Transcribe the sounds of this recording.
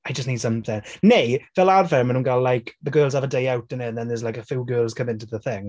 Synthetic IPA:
ajd͡ʒʌstniːd̥sʌ̃mθɪ̃ŋnejvɛlˠadvɛmə̃nuːnkalajkðəɡɜːlˠz̥avədeɪawtə̃nɪnðɛ̃nðəzlajkəfuːɡɜːlˠz̥kʰə̃mɪ̃ntuðəθɪ̃ŋ

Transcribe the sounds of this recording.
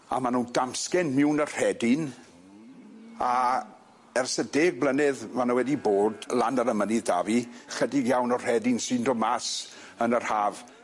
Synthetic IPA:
a̰manuːndamskɛnmɪwnər̥ɛdɪn | a | ɛrsədeːɡ̚blˠənɪðmanowɛdiboːdlˠandaɾəmənɪðdaviχədɪɡjawnɔr̥ɛdɪnsɨndɔmas | ənər̥haːv

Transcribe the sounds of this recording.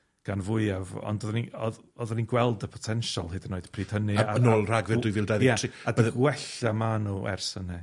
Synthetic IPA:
ɡ̥anvʊɨavɔ̰ndɔðniɔð | ɔðaninɡwɛlˠdəpʰɔ̥tʰɛnʃalˠɦɨdənːoːɨd̥pʰriːd̥hənɨaənoːlˠr̥aɡvɛrdʊɨvɪːlˠdaðjɛtʰiadɛðwɛɬamanuɛ̰rsənɛ

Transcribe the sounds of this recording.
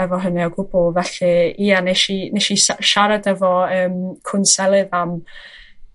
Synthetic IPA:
ɛvɔɦənɛɔɡʊbʊlˠvɛɬɨiːaneʃineʃisaʃaɾadɛvɔəːmkʰʊnsɛlˠɨðam

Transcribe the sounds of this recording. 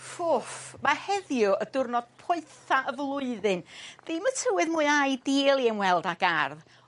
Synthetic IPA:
fʊfmahɛðjʊədʊrnɔd̥̚pʰʊɨθaʔəvlˠʊɨðɨnð̥ɪmətʰəwɨðmuːɨajdeːlˠiənwɛlˠdaɡarð

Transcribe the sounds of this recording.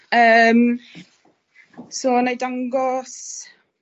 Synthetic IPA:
əːm | soːnajdaŋɡɔs

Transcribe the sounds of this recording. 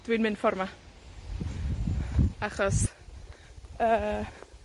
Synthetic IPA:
d̥winmɪnfɔrma | aχɔs | ə

